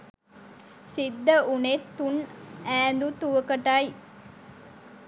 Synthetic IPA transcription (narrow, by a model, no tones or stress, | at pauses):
sid̪ːəʔunet̪ːunæːnd̪ut̪uʋəkɐʈɐj